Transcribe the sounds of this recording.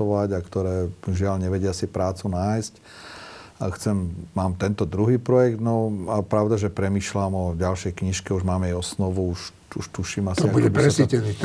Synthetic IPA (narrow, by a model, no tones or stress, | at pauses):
ɔʋaɟakt̪ɔɾɛːʒɪalɲɛʋɛɟɪasipɾaːt͡sunaːjsc | axt͡sɛmːaːmt̪ɛnt̪ɔd̪ɾuɦiːpɾɔjɛɡd̪nɔapɾaʊd̪aʒɛpɾɛmiːʃlamɔɟalʃɛjkɲiʃkɛuʒmaːmɛjɔsnɔʋuuʃ | uʃt̪uʃiːmasiɔakuɛbipɾɛsicɛnit̪